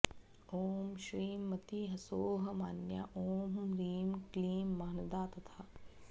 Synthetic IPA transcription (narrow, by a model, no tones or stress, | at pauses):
oːmʃɾiːmːɐt̪iɦɐsoːɦɐ̆maːnja̰ʔoːmɾiːmkliːmːaːnɐd̪aːt̪ɐt̪ʰaː